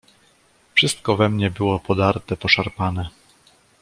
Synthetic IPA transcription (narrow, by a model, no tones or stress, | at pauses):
fʂɘst̪kɔvɛmɲɛbɘwɔpɔd̪aɾt̪ɛpɔʂaɾpanɛ